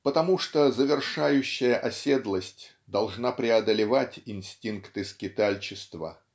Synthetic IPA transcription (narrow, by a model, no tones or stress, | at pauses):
pət̪ɐmuʂt̪ozəvʲɪrʂajʉɕːɪjəʔɐsʲe̞d̪lˠəsʲtʲ | d̪ɐlˠʐnapɾʲɪɐd̪əlʲɪvatʲɪnsʲtʲinkt̪ɨskʲɪt̪alʲt͡ɕɪst̪və̰